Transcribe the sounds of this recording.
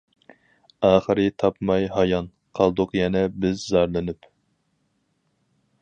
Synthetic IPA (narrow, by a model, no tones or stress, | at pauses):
ɑːχəɾɨt̪ʰɑpmɑjɦɑjɑn | qʰɑlˠd̪ʊqjɛnɛbɪzzɑɾlˠɨnyp